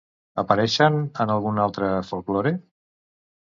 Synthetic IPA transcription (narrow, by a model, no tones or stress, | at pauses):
əpəɾɛʃənənəlˠɣunalˠt̪ɾəfolˠkloɾe